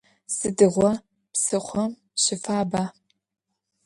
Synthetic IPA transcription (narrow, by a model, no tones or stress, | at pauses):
sɨdɨʁʷɔ | psɨχʷɔm | ɕɪfaːbaː